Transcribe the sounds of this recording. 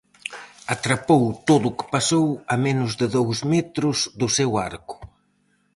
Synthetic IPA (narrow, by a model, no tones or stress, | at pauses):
at̪ɾapowt̪oðukɪ̥pasowɐmenʊzðɪðowzmɛt̪ɾʊzðʊsewaɾkʊ̥